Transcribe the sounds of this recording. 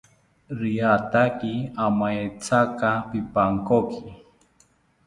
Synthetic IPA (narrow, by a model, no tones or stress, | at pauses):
ɾiat̪akiamajt͡sakapipaŋkokʰi